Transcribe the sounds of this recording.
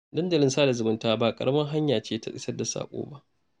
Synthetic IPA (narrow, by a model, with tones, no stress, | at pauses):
dɐ˦ndɐ˨lɪ˦nsaː˦da˨zʊ˨mʊ˦ntaː˦baː˨kʼɐ̰˨ɽʔɐ˦mɐ˦ŋɦa˦ɲjaː˨t͡ʃeː˦ta˦˨ʔʼɪ̰˦sɐ˦rda˨sa̰ː˨kʷʼo̰ː˦ba˦ʔ